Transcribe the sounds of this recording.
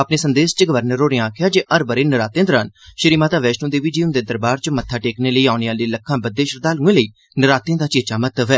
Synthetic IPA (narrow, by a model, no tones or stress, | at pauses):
əpneːsənd̪eːst͡ʃəɡəʋəɾnəɾoːɾẽaːkʰɪjaːd͡ʒeːʔəɾbəɾeːnəɾaːt̪jẽːd̪əɾənʃəɾiːmaːt̪aːʋɛːʃʈõːd̪eːʋiːd͡ʒiːʊnd̪eːd̪əɾbaːɾt͡ʃmət̪ʰːaːʈeːkneːləiːaːʊneaːliːləkʰːãːbəd̪ːeːʃəɾd̪aːlũːẽːləiː | nəɾaːt̪jẽːd̪aːt͡ʃeːt͡ʃaːmət̪əʋɦɛː